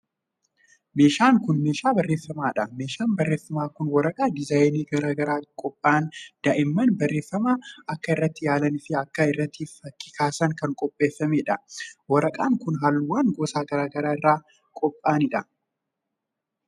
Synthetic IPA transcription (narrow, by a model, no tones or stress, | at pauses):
me̞ːʃaːŋkʊnme̞ːʃaːbɐrːeːfːɐmaːᶑɐme̞ːʃaːnbɐrːe̞ːfːɐmaːkʊnwɐɾɐkʼaːd̪ɪzaːjniːɡɐɾaːɡɐɾaːkʼɔpʼːaːnd̪̥ɐʔɪmːɐnbɐrːe̞ːfːɐmaːɐkːɐɪrːɐt̪ːɪjaːlɐnɪfɪɐkːɐɪrːɐt̪ːiːfɐkːɪkʰaːsɐŋkɐŋkʼɔpʼːe̞ːfːɐmeːᶑɐwɐɾɐkʼaːŋkʊnɦaːlːuwaːnɡɔːsaːɡɐɾaːɡɐɾaːɪrːaː | kʼɔpʼːaːnɪᶑɐ